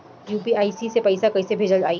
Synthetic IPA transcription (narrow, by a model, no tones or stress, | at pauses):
juːpiaːisisepɐɪsakɐɪsebʱeːd͡ʒəlaːiː